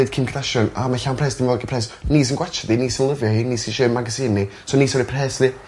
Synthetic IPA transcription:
ɨd̥kʰɪmkʰdaʃɔnamaɬawnpʰrɛːsd̥ɪnvɔːɡipʰrɛːsniːs̬inɡwat͡ʃʰadiniːsinlˠəvjɔhiniːsinʃeːmaɡasɨːnisɔniːsɔɾipʰr̥ɛːsði

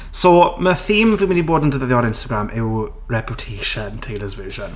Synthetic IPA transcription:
soməθiːmviməniboːdəntʰəðəðjɔɾɪ̃nstəɡɹamɪw | ɹɛpʰjʊtʰeːʃəntʰejləzvɪːʒən

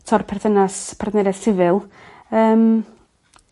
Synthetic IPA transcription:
tʰɔrpʰɛrθənaspʰardnɛɾɛsɪvɪlˠ | əːm

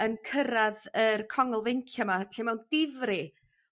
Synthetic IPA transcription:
ənkʰəɾaðərkʰɔŋəlˠvejŋkʰjamaɬemɛwnd̥ɪvrɪ

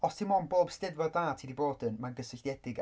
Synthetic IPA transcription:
ɔstʰimɔnboːb̥stɪðvɔrdaːtʰiːdiboːdənmaɡəsɪɬjɛd̥ɪɡ

